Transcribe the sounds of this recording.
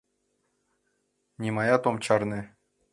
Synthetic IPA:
nʲimɑjɑt̪omt͡ɕɑrnʲɘ̆

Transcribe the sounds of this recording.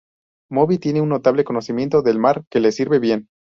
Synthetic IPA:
mo̞βit̪jeneunːo̞t̪aβle̞ko̞no̞simje̞nt̪o̞ðe̞lmaɾke̞le̞siɾβe̞βje̞n

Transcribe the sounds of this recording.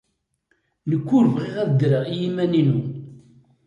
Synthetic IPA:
nəkʷːʊɾvʁiʁæðəd̪ɾəʁjimæninu

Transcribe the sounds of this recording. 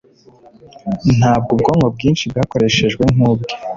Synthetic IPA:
n̥aːb̚ɡub̚ɡo̞ːŋɡob̚ɡiːnʃibɡaːko̞ɾe̞ʃe̞ʒɡwe̞ŋuːbɡo

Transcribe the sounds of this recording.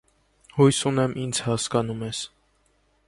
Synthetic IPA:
hujsunɛmʔind͡zʰhɑskɑnumɛs

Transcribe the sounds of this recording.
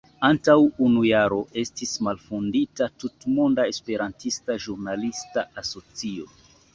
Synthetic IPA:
antawunujaɾo̞ʔe̞stismalfunditatutmondae̞spe̞ɾantistaʒuɾnalistaaso̞t͡sio̞

